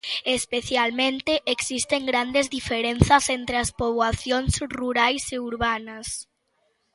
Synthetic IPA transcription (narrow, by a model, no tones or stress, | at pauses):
espeθjalmẽnt̪ɪʔeksist̪eŋɡɾand̪ezðifeɾen̟θɐsent̪ɾɪɐspoβwaθjonsruɾajseuɾβanɐs